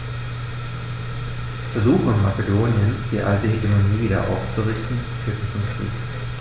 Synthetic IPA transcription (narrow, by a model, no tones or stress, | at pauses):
fɐzuːχnmakedoːnjənsd̥iːʔa̰ltəɦeɡəmoniːviːdɐ̰ʔa̰ʊft͡suʁɪçtn̩fyːɐtn̩t͡sʊmkʁ̥ḭːk